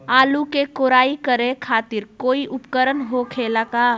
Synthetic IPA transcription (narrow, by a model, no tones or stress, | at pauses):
aːlukekoːɾaːikəɾẽkʰaːt̪ɪɾkoːiʔʊpkəɾənɦokʰeːlakaː